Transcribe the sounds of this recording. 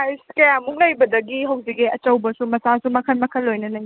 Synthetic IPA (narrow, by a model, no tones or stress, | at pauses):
ajsu̥kɐjamuŋlɐjbɐdɐɡiɦɐwzikiɐt͡ʃɐwbɐsumɐsasumɐkʰɐlmɐkʰɐlːojnɐnɐj